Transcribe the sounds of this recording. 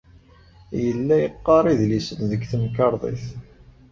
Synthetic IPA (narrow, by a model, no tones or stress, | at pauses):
jəlːæjəqːɑɾˤiðlisənðəɡθəmkɑɾˤðˤḭθ